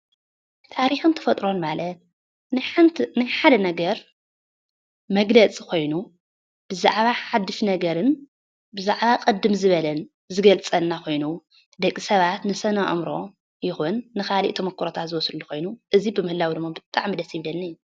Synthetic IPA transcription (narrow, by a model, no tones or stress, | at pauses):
t̪ʰaɾixɨnt̪ʰɐ̥fɐt̪ʼɾo̞nmalɐt̪̚ | nħɨnt̪ʰnajħad̪ɐnɐɡɐɾ | mɐɡlɐt͡sʼi̥kʰo̞jnu | b̥ɨza̰ʕβaħad̪ːɨfnɐɡɐɾɨn | bɨzaʕβakʼɨd̪ːɨmzɨβɐlɐn | zɨɡɐlt͡sʼɐnːakʰo̞jnu | d̪ɐkʼːisɐβat̪nɨsɐnɐʔɐ̰mɾo̞ | jɪxunːɨxalḭʔt̪ʰomɐkʰːuɾot̪ʰat̪zɨwɔslulːuko̞jnuʔɨzibɨmɨhɨlawid̪ɨmːabɨt̪ʼaʕmid̪ɐsiβlɐnːijːu